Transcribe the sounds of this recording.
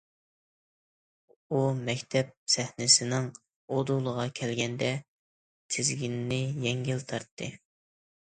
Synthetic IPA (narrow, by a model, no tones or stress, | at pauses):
umɛkʲt̪ʰɛp̚sɛhnɪsɪnɪŋ | od̪ulˠəʁɑkʲʰɛlɡʲɛnd̪ɛ | t̪ʰɪzɡʲinnɪjɛŋɡʲilt̪ʰɑɾt̪ʰːɨ